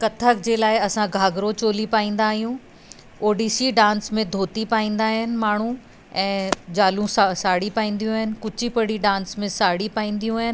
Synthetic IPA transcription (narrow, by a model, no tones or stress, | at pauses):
kɐt̪ʰəkd͡ʑeːlaːɪɐsãɡʱaːɡɾot͡ɕoːlipaːĩːn̆d̪aːɦijũ | oːɖiːsiɖãːnsmẽd̪ʱoːt̪ipaːĩːn̆d̪aːɦɪnɪ̆maːɳ̤ũ | ɛ̃ːd͡ʑaːlũssaːɽipaːĩːn̆d̪ijũɦɪnɪ̆kʊt͡ɕipɐɽiɖãːnsmẽsaːɽipaːĩːnd̪ijũɦɪnɪ̆